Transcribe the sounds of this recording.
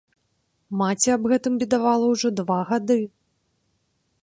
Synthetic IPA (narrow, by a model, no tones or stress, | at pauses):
mat͡sʲiabɣɛt̪ɨmvʲid̪avalˠɐwʐɔd̪vaɣad̪ɨ